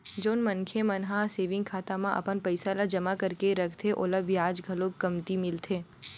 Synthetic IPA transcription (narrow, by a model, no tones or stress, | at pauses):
d͡ʒoːnmɐ̃ŋkʰemɐnɦaseːʋɪ̃ŋɡkʰaːt̪amãʔɐ̰pənpɐɪsalad͡ʒɐmakɐɾkeɾɐkʰt̪ʰeʔo̰ːləbjaːd͡ʒɡʱɐlõkːɐmt̪imɪlt̪ʰeː